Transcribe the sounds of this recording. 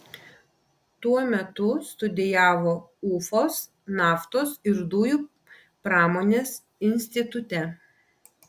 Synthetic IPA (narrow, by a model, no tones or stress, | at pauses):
t̪uɔmʲɛt̪ʊst̪ʊd̪ʲɪjæːʋoː | ʊfoːs | nɑːft̪oːsɪɾd̪uːjuː | pɾɑːmoːnʲeːs | ɪnʲsʲt̪ʲɪt̪ʊt̪ʲɛ